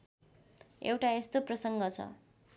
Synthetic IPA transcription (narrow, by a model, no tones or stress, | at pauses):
ḛwʈaest̪oprʌsʌŋɡʌt͡sʰʌ̰